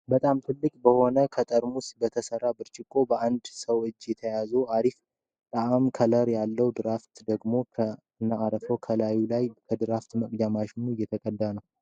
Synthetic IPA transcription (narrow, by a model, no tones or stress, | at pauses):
bət̪ʼamt̪ʰɨlːɨkʼbəho̞nəkʰət̪ʼəɾmusbət̪ʰəsərːabɨɾt͡ʃʼɪkʼːo̞bəʔand̪səwɨt͡ʃʼːjɛt̪ʰəjazuʔaɾif | t̪ʼaamkʰələɾjalːəwd̪ɨɾaft̪d̪əɡmo̞kʰə | ɨnːaːɾəfəwkʰəlajulajkʰəd̪ɨɾaft̪məkʼd̪amaʃɪnujːɛt̪ʰəkʼəd̪ːanəw